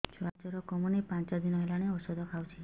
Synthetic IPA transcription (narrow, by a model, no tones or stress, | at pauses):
t͡ʃʰat͡ʃɔɾɔkɔmunipãnt͡ʃɔd̪inɔɦelañeɔsɔd̪ʱɔkʰawt͡ʃʰe